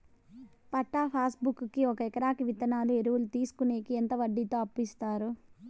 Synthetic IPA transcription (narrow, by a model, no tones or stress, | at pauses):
pɐʈːaːpʰaːsbukːkːiɔkɐɛkɐɾaːkiʋit̪ɐnaːlueɾuwulut̪iːsu̥kuneːkient̪ɐʋɐɖːiːt̪o̞ːɐpːist̪aːɾu